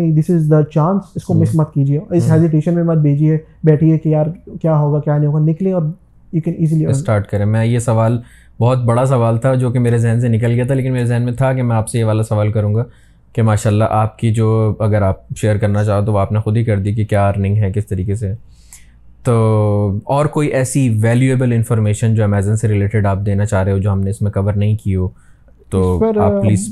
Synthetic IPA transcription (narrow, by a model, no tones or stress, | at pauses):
ned̪ɪsɪzd̪ət͡ʃãːnsɪskomɪsmɐt̪̚kiːd͡ʒieɪsɦɛːzɪʈ̬eːʃə̃nmẽbɐd͡ʒ̪̚bʱeːd͡ʒiɦɛ | bɛːʈʰiɦɛkejaːɾkjaːɦoːɡakjaːnĩɦoːɡanɪklẽɔːɾ | juːkɛ̃niːzilisʈaːɾʈkɐɾẽːmɛ̃jesɐʋaːl | bɔɦʊt̪̚bɐɽas̬ɐʋaːlt̪ʰad͡ʒoːkemeːɾezɛɦns̬enɪkəlɡɪjat̪ʰaleːkɪnmeːɾezɛɦnmẽt̪ʰakemɛ̃aːpsejeʋaːlasɐʋaːlkɐɾũːŋɡa | kemaːʃaːlːaʔaːp̚kid͡ʒoːɐɡəɾaːp̚ʃeːəɾkɐɾnat͡ʃaːɦot̪̬oʋaːpnexʊd̪ʱɦikɐɾd̪ikekjaːɾɐnɪ̃ŋɡɦɛkɪst̪ɐɾiːkes̬e | t̪oːɔːɾkoːiʔɛːsiʋɛːljueːbəlɪ̃nfɔːɾmeːʃənd͡ʒoːɛmɛːzənseɾɪleːʈɪɖaːp̚d̪eːnat͡ʃaːɦɾeɦod͡ʒoːɦɐmneɪsmẽkɐbəɾnɐɦĩkioː | t̪oːaːplliːz